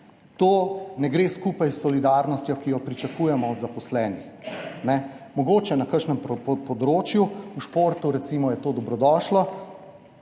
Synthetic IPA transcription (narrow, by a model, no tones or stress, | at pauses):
t̪oːnɛɡɾeːskuːpajsːɔlid̪aːɾnɔst̪jɔkijɔpɾit͡ʃakuːjɛmɔːd̪zapɔslɛːnixnɛ | mɔɡoːt͡ʃɛnakəɾʃnɛmppɔd̪ɾoːt͡ʃjuuʃpoːɾt̪uɾɛt̪siːmɔjɛt̪oːd̪ɔbɾɔd̪ɔːʃlɔ